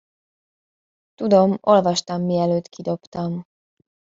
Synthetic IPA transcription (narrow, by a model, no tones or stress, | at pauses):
t̪ud̪o̞mo̞lvɒʃt̪ɒmːiɛløːt̪kʰid̪o̞pt̪ɒm